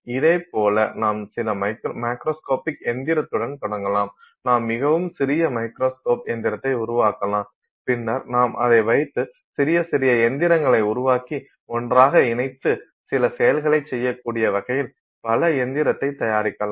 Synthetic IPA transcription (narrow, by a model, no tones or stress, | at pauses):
ɪðɐɪpoːlɐ̰naːmsɪlɐmɐɪkmɐɪkɾoːskoːpɪkɛnd̪ɪɾɐt̪ːɯɽɐnt̪ɔɽɐŋɡɐlaːm | naːmːɪɣɐʋɯmsɪɾɪjɐmɐɪkɾoːskoːpɛnd̪ɪɾɐt̪ːɐɪʊɾʊʋaːkɐlaːm | pɪnːɐɾnaːmʔɐ̰ðɐɪʋɐɪt̪ːɯ | sɪɾɪjɐsɪɾɪjɐɛnd̪ɪɾɐŋɡɐɭɐɪʊɾʊʋaːki | ɔndraːɣɐɪnɐɪt̪ːɯ | sɪlɐsɛjɐlɣɐɭɐɪt͡ʃsɛjːɐkːuːɽɪjɐʋɐɣɐjɪl | pɐlɐɛnd̪ɪɾɐt̪ːɐɪt̪ːɐjaːɾɪkːɐlaːm